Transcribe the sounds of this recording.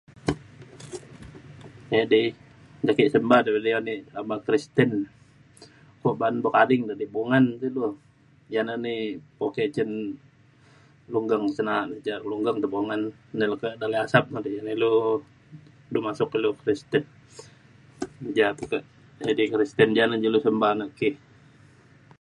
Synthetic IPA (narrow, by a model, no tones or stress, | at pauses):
edi | d͡ʒakiʔsəmbahdabilionilamakɾist̪ən | koʔbanbokadɪŋdadibuŋant̪ilu | jananipoket͡ʃən | luŋɡəŋsənaʔnd͡ʒaluŋɡaŋt̪əboŋanːilukədaliasap̚nadid͡ʒanilu | dumasʊkilukɾist̪ən | d͡ʒat̪ukəʔ | d͡ʒadikɾist̪ənd͡ʒanad͡ʒulusəmbanaʔki